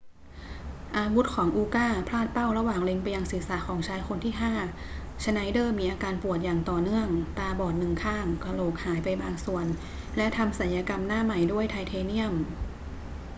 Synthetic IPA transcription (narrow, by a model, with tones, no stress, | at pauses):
ʔaː˧wu˦˥t̪̚kʰɔː˩˦ŋʔuː˧kaː˥˩pʰlaː˥˩t̪̚pa˥˩wɾa˧waː˨˩ŋle˧ŋpa˧jːa˧ŋsi˩˦sa˩˦kʰɔː˩˦ŋt͡ɕʰaː˧jkʰo˧nt̪ʰiː˥˩ɦaː˥˩ | t͡ɕʰa˧na˧˥jdɤː˥˩miː˧ʔaː˧kaː˧npu˨˩ət̪̚jaː˨˩ŋt̪ɔː˨˩nɯ˥˩əŋt̪aː˧bɔː˨˩t̪̚nɯ˨˩ŋkʰaː˥˩ŋkɾa˧loː˨˩k̚haː˩˦jpa˧jbaː˧ŋsu˨˩ən | lɛ˦˥ʔt̪ʰa˧msa˨˩˦njaː˧ka˧mnaː˥˩ma˨˩jdu˥˩əjt̪ʰa˧jt̪ʰeː˧ni˥˩əm